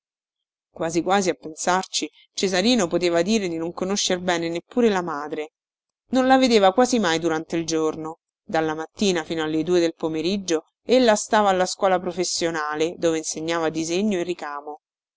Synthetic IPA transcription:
kwaːzikwaːziapːensart͡ʃi | t͡ʃezaɾiːnopot̪eːvad̪iːɾed̪inoŋkonoʃːerbɛːnenepːuːɾelamaːd̪ɾe | nonlaved̪eːvakwaːzimajd̪uɾant̪eild͡ʒorno | d̪alːamat̪ːiːnafiːnoalːed̪uːed̪elpomeɾid͡ʒːo | elːast̪aːvaːlːaskwɔːlapɾofesːjonaːled̪oːveinseɲːaːvad̪izeɲːoerːikaːmo

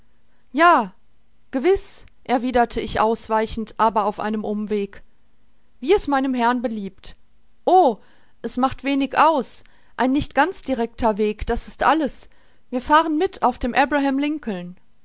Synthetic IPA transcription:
jaː | ɡ̥əvɪsʔɛɐviːdɐtʰəɪçʔaʊsv̥aɪçn̩tʔaːbɐaʊfʔa̰ɪnəmʔʊmveːk | viːɛstmaɪnəmɦɛɐnbəliːp̚t | ʔoː | ʔɛsmaχtv̥eːnɪçʔaʊs | ʔaɪnːɪçtɡ̥ant͡sd̥iʁɛk̚tʰɐveːkd̥asɪstʔa̰ləs | viːɐfaːʁənmɪtʰaʊfd̥eːmʔɛbʁaɦamlɪŋkl̩n

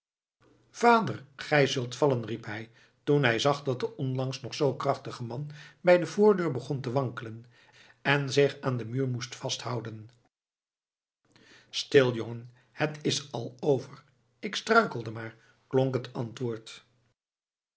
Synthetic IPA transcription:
v̥aːdərχɛjzɵlˠtfɑlənripɦɛj | tunɦɛjzɑχdɑt̚dəʔɔnlɑŋsnɔχsowkrɑχtəχəmɑnbɛjdəvʊːɹdøːɹbəχɔntəʋɑŋkələn | ɛnzɪχaːndəmyːɹmustfɑstɦʌwdən | stɪlˠjoŋən | hətɪsɑlˠowvər | ɪkstrœɥkəlˠdəmaːɹ | klɔŋkɦətɑntʋʊːɹt

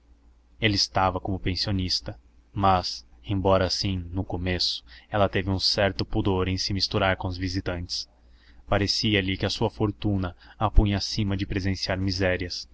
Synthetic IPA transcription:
elɪɪst̪avɐkõmʊpẽsionist̪ɐ | mɐzẽbɔɾɐsĩnʊkomesʊ̥ɛlɐt̪evɪũsɛɾt̪ʊpud̪oɾẽj̃sɪmist̪uɾaɾkõʊzvizit̪ɐ̃nt͡ʃɪ̥s | paɾesiɐlɪkɪɐsuɐfoɾt̪ũnɐapũɲɐasĩmɐd͡ʒɪpɾezẽsiaɾmizɛɾiɐs

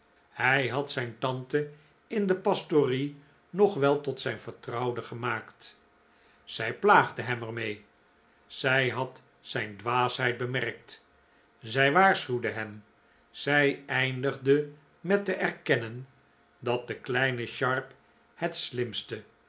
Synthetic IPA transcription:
hɛjɦɑtsɛjntɑntə | ɪndəpɑstori | nɔχʋɛlˠtɔtsɛjnvəɹtrɑwdəχəmaːkt | z̥ɛjplaːχdəɦɛmɛɹmej | z̥ɛjɦɑt | sɛjndʋaːsɦɛjt̚bəmɛʁk̚t | zɛjʋaːɹsχywdəɦɛm | z̥ɛjɛjndəχdə | mɛtəʔɛɹkɛnən | dɑt̚d̥̪əklɛjnəʃɑɹp | hɛtslɪmstə

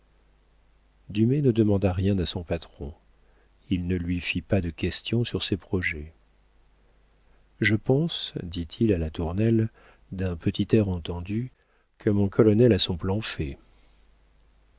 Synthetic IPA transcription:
d̪ymenəd̪əmɑ̃d̪aʁjɛ̃t̪asɔ̃pat̪χɔ̃ | ilnəlɥifipad̪əkʲɛst̪jɔ̃syʁsɛpχɔʒɛ | ʒəpɑ̃sd̪it̪ʰilalat̪uʁnɛl | d̪ɛ̃pət̪ʰit̪ɛʁɑ̃t̪ɑ̃d̪y | kʰəmɔ̃kʰɔlɔnɛlasɔ̃plɑ̃fɛ

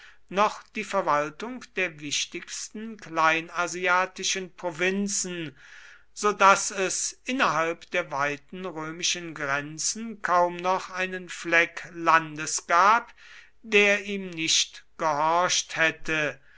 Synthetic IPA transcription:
nɔχd̥iːfɛɐvaltʊŋkd̥eːɐvɪʃtɪçstn̩klaɪnaziaːtɪʃənpʁ̥ovɪnt͡sn̩ | z̥oːdasɛsʔɪnɐɦalpd̥eːɐvaɪtn̩ʁøːmɪʃənɡʁɛnt͡sn̩kʰaʊmnɔχʔaɪnənflɛklandəsɡ̥aːp | d̥eːɐiːmnɪʃtɡ̥əhɔɐʃthɛtə

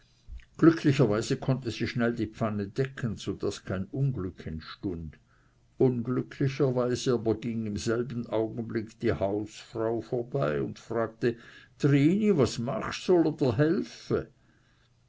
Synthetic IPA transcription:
ɡ̥lʏkʰlɪçɐvaɪzəkʰɔntəziːʃnɛldiːpp͡fanədɛkʰənz̥od̥askʰaɪnʊnɡlʏkʰɪnʃtʊnd | ʔʊnɡlʏkʰlɪçɐvaɪzəaːbɐɡiŋɪmzɛlbn̩ʔaʊɡən̩blɪkd̥iːhaʊsfʁ̥aʊfoːɐbaɪʊntfr̥aːɡ̚təd̥ʁiːnivasmaχsɔlodɐɦɛlfə

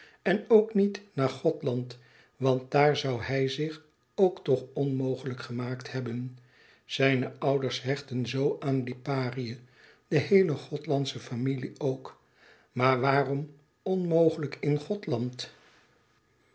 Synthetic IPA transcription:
ɛnowknitnaːɹχɔtlɑnt | ʋɑnt̚d̥aːɹzʌwhɛjzɪχ | owktɔχɔnmowχələkχəmaːkthɛbən | z̥ɛjnəʔʌwdəɹsɦɛχtənzowʔaːnlipaːriə | d̥əhejləχɔtlɑntsəfamiliowk | maːɹʋaːrɔm | ɔnmowχələkʰɪnχɔtlɑnt

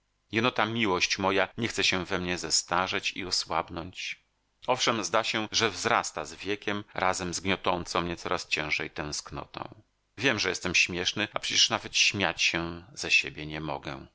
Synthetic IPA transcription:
jɛnɔt̪amʲiwɔɕt͡ɕmɔjaɲɛxt̪sɛɕɛvɛmɲɛzɛst̪aʐɛt͡ɕḭɔswabnɔɲt͡ɕ | ɔfʂɛmzd̪aɕɛʐɛvzɾast̪azvʲjɛkʲɛmɾʔazɛmzɡɲɔt̪ɔnt̪sɔ̃w̃mɲɛt̪ɔɾast͡ɕɛ̃w̃ʐɛjt̪ɛ̃w̃sknɔ̰t̪ɔ̰̃w̃ | vʲjɛmʐɛjɛst̪ɛmɕmʲjɛʂnɘapʂɛt͡ɕɛ̥ʂnavɛt̪ɕmʲjat͡ɕɕɛz̥aɕebʲjɛɲɛmɔ̰ɡɛ

